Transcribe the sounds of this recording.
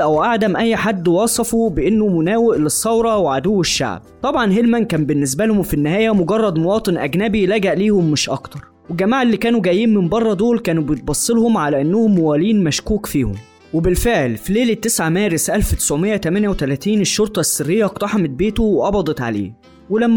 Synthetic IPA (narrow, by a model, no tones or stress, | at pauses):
ʔæwʔaʕd̪æmʔæjːħad̪ːwɑːsˤɑfubɪʔenːomʊnæːweʔlesˤːɑwɾˤɑweʕad̪uwːeʃːa̰ʕb̚t̪ˤɑbʕɑnɦelmænkæːmbɪnːɪs̬bælhomfinːɪhæːjæmoɡɑrˤːɑd̪mowɑːt̪ˤenʔæɡnæbilæɡæʔliːhomːɪʃʔɑ̰kt̪ɑɾˤwelɡæmaːʕelːiːkæːnuɡæːjiːnmɪmbɑrˤːɑd̪oːlkæːnubejet̪̚bɑsˤːelhomʕalæʔænːʊhʊmːowæːliːnmæʃkuːkfiːho̰m | webɪlfeʕlfileːlet̪ːesʕamæːɾɪsʔælfwt̪ɪ̥sʕomejːæt̪æmæːnjæwet̪ælæːt̪iːneʃːoɾt̪ˤɑsːɪrːejːæʔqt̪ˤɑħɑmet̪̚beːt̪oweʔɑbɑd̪ˤɑt̪ʕa̰lḛː | welæmː